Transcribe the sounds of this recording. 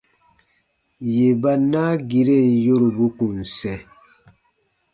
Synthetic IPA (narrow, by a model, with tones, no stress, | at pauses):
je˨ba˦naː˦ɡi˨ɾe˦˨njo˦ɾu˨bu˦ku˨n˨sɛ˨